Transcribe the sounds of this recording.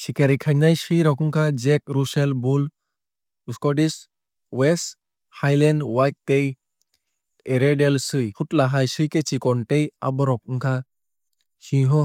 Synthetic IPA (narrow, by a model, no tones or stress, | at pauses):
ɕikaɾikʰanajɕijɾɔkuŋkʰad͡ʑekɾuselbul | uskɔʈis | wes | hajlɛnɖwajt̚tej | eɾeɖelsɯjfʰuʈlaɦajsɯjket͡ɕikɔɳʈeja̰bɔɾɔk̚uŋkʰa | hĩɦɔ